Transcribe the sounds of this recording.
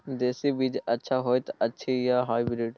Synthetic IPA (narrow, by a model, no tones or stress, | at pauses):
d̪esibid͡ʒətːʃʰaɦɔjt̪ətːʃʰijaɦajbɾiɖ